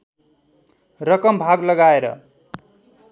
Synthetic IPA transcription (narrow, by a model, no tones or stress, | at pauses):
rʌkʌmbʱaɡlʌɡaeɾʌ̰